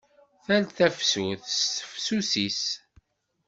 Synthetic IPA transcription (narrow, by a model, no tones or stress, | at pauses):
θælθæfsuθstəfsusis